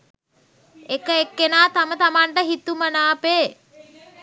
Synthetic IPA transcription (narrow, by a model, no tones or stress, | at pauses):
ekəekːenaːt̪amət̪amaɳʈəɦit̪umənaːpeː